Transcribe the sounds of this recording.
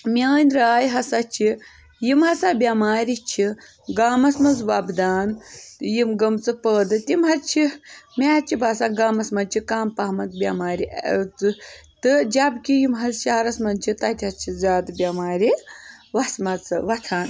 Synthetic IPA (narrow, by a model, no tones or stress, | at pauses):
mʲaːnʲɾaːjɦɐsɐt͡ʃʰi | jimɦɐsabʲamaːɾit͡ʃʰi | ɡaːmɐsmɐzʋɐbd̪aːnjimɡɐmt͡sɨpəːd̪ɨt̪ʲimɦɐt͡ʃʰimʲaːt͡ʃʰibʱaːsaːnɡaːmɐsmɐnt͡ʃʰikaːmpaːmɐnt̪bʲɐmaːɾʲit͡sɨt̪ɨd͡ʒabkʲijimɦɐzʃaːɾɐsmɐnt͡ʃʰit̪ɐt̪ʲʰɦɐt͡ʃʰizaːd̪bʲɐmaːɾʲiʋɐsmɐt͡sɨʋɐt̪ʰaːn